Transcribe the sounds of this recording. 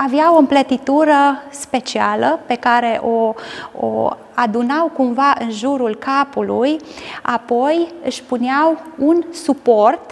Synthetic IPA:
aveawo̞ɨmplət̪it̪uɾəspe̞t͡ʃialəpe̞kaɾe̞ʔo̞o̰ | ad̪unawkumvaʔɨnʒuɾulkapuluja̰po̞jɨʃpuneawunsupo̞rt̪

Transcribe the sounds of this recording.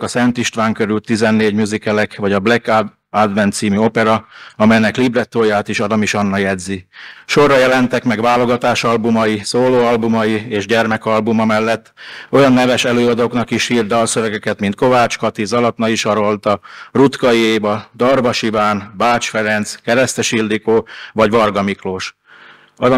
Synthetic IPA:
kɒsɛnt̪iʃt̪ʋaːŋkø̞ɾylt̪ːizɛnːeːɟmjuzikɛlɛkʋɒɟɒblɛk | ad̪vɛnt̪siːmyo̞pɛɾɒɒmɛjnɛklibrɛt̪ːoːjaːt̪iʃɒd̪ɒmiʃɒnːɒjɛd̪ziʃo̞rːɒjɛlɛnt̪ɛkmɛɡʋaːlo̞ɡɒt̪aːʃɒlbumɒjisoːloːɒlbumɒjieːʒɟɛrmɛkɒlbumɒmɛlːɛt̪ːojɒnːɛvɛʃɛløːɒd̪oːknɒkiʃhiːrd̪ɒːsøvɛɡɛkɛt̪mint̪̚ko̞vaːt͡ʃkɒt̪izɒlɒt̪nɒiʃɒɾo̞lt̪ɒrut̪kɒieːjbɒd̪ɒrvɒʃivaːnbaːt͡ʃfɛɾɛnt̪skɛɾɛst̪ɛʃild̪ikoːvɒɟʋɒrɡɒmikloːʃ | ɒ

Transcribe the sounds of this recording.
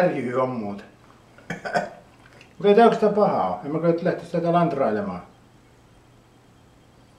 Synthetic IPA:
rjyhyommuːt̪ɑ̥ | mmut̪eˑit̪æˑokst̪æpɑhɑˑoemmækɑˑt̪læht̪esit̪ːæt̪ælɑnt̪rɑˑilemɑː

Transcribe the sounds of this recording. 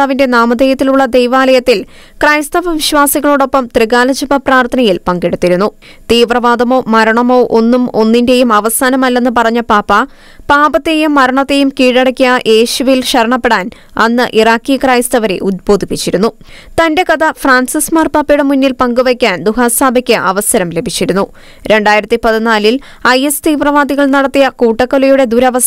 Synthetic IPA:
aːʋinde̞naːmɐd̪ejɐt̪ːiluɭːɐd̪ejʋaːlɐjɐt̪ːil | kraːjst̪ɐʋɐʋiɕʋaːsiɣɐɭoːɽo̞pːɐmt̪riɣaːlɐd͡ʑɐbɐpraːrt̪ʰɐnɐjilpɐŋɡeɽut̪ːiɾunːu | t̪iːʋrɐʋaːd̪ɐmo̞ːmɐɾɐɳɐmo̞ːʔo̞nːumo̞nːinde̞jumɐʋɐsaːnɐmɐlːe̞nːɨpɐrɐɲːɐpaːpːɐ | paːbɐt̪ːejumːɐɾɐɳɐt̪ːe̞jumkiːɻɐɽɐkʲːijɐjʔe̞ːɕuʋjilɕɐɾɐɳɐpːe̞ɽaːn | ɐnːɨʔiraːkːikraːjst̪ɐʋɐɾḛʔud̪̚bo̞ːd̪ʱipːit͡ɕːiɾunːu | t̪ɐnde̞kɐd̪ɐfraːnsismaːrpaːpːɐjuɽe̞munːilpɐŋɡuʋɐkʲːaːnd̪uɦaːsaːbɐkʲːɨʔɐʋɐsɐɾɐmle̞bʱit͡ɕːiɾunːu | ɾe̞ɳɖaːjiɾɐt̪ːipɐðinaːlil | ɐjest̪iːʋrɐʋaːd̪iɣɐɭnɐɽɐt̪ːijɐkuːʈːɐkːolɐjuɽe̞d̪uɾɐʋɐ

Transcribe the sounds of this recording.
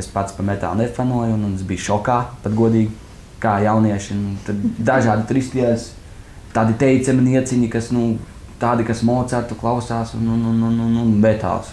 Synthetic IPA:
espat̪spamɛt̪a̰ːlˠnefanuɔjnunsbijʃɔkaːpat̪ɡuɔd̪iːɡʲi | kaːjawniɛʃinut̪ad̪d̪aʒaːd̪it̪uɾist̪iɛls | t̪aːd̪it̪ɛjt̪sɛminiɛt̪siɲikasnut̪aːd̪ikasmɔːt̪saɾt̪uklˠawsaːsṵnunununununvɛt̪a̰ːs

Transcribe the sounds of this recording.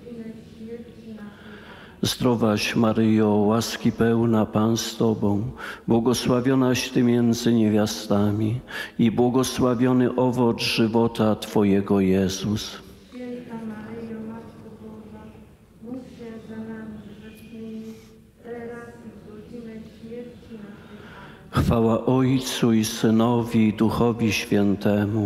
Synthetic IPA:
zd̪ɾɔvaɕmaɾɘjɔwaskʲipɛwnapanst̪ɔbɔ̃w̃bwɔɡɔswavʲjɔnaɕt̪ɘmʲjɛnd̪zɘɲevʲjast̪amʲiibwɔɡɔswavʲjɔnɘʔɔvɔd͡zʐɘvɔt̪at̪fɔjɛɡɔjɛzus | xfawaʔɔjt̪suisɘnɔvʲid̪uxɔvʲiɕfʲjɛnt̪ɛmu

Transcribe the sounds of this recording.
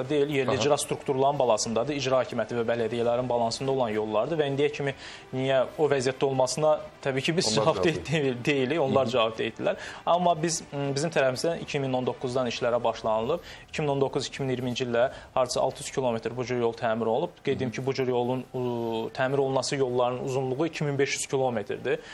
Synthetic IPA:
d̪e̞jilje̞ɾlliid͡ʒɾɑst̪ɾukt̪uɾlˠɑɾɯnbɑlˠɑsɯnd̪ɑd̪ɯid͡ʒɾɑhɑcʰimjæt̪ʰivæbælæd̪ijælæɾinbɑlˠɑnsɯnd̪o̞lˠɑnjo̞lˠːɑɾd̪ɯvæind̪ijæcʰimi | nijæovæzijæt̪ːæo̞lˠmɑsɯnɑt̪ʰæbiːcʰibizd͡ʒvɑb̪ed̪e̞jilio̞nlˠɑɾd͡ʒɑvɑb̚d̪ejt̪d̪ilæɾɑmːɑbizbizimt̪ʰæɾæfimizd̪ænʔicʰimino̞nd̪o̞kʰːuzd̪ɑniʃlæɾæbɑʃlˠɑnɯlˠɯbi̥cʰimino̞nd̪o̞kʰːuzicʰiminiɾimind͡ʒilʲːd̪æhɑɾd̪sɯɑ̰lˠt̪ʰɯjyz̥cʰilˠo̞me̞t̪ɾbud͡ʒuɾjo̞lˠt̪ʰæːmiɾo̞lˠub̚ɡ̥e̞jd̪ed̪imcʰibud͡ʒuɾjo̞lˠunt̪ʰæːmiɾo̞lˠnɑsɯjo̞lˠːɑɾɯnɯnuzunlˠuʁuicʰiminbe̞ʃjyz̥cʰilˠo̞met̪ɾd̪i

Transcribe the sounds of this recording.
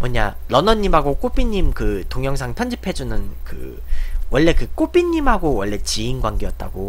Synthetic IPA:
wʌɲa̰lʌnʌɲːimɦaɡok͈op͈iɲːimkɯtoŋjʌŋsʰaŋpʰjʌnd͡ʑipʰe̞d͡ʑunɯnkɯ̰ | wʌɭːe̞kɯk͈op͈iɲːimɦaɡowʌɭːe̞t͡ɕiinɡwaŋɡejʌt̚t͈a̰ɡo

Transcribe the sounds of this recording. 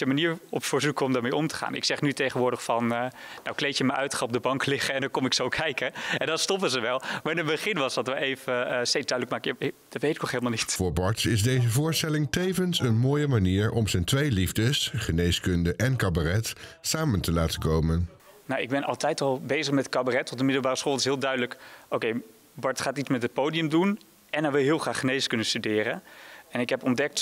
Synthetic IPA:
əmaniːɹɔpfəɹzukəɔmdaːɹmejʔɔmtə̥χa̰ːnɪ̰ksɛχnytejχənʋʊːɹdəχfɑnnawklejtjəməʔœ̰ɥtχɑɔb̚dəbɑŋklɪχəɛndɑkɔmɪksowkʰɛjkəɛndɑnstɔpəzəʋɛlˠmaːɹɪnəbəχɪnʋɑsdɑtʋəejvəstejtzdœɥdələkmaːkjad̥ɑtʋejtɪk̚nɔχɦeɪlˠmalˠnitv̥ʊːɹbɑɹtsɪzdejzəvʊːɹstɛlɪŋtejvənsənmoːjəmaniːɹɔmzəntʋejlivdəsχənejskɵndəʔɛnkabarɛtsaːməntəlaːtəkowmən | nawɪɡ̚bɛnɑ̰lˠtɛjtɑlˠbejzəχmɛtkabarɛtʋɔt̚dəmɪdəl̩ˠbaːrəsχoːlˠtɪsɦɪːlˠdœɥdələkowkej | bɔɹtχaːtismɛtət̚powdijəmdun | ɛnaʋɪlˠɦɪːlˠχraːχənejskɵnənstydɪːɾənɛnɪkɦɛpɔndɛk̚t

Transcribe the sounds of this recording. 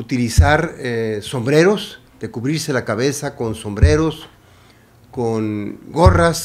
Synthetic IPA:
ut̪ilisaɾeso̞mbɾe̞ɾo̞s | d̪̥e̞kuβɾiɾse̞lakaβe̞sako̞nso̞mbɾe̞ɾo̞s | koŋɡo̞ras

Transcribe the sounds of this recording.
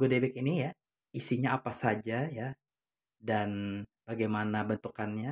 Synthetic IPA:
ɡuodebɛk̚inija | isiɲaapasad͡ʒaja | danb̥aɡajmanabənt̪ukanɲa

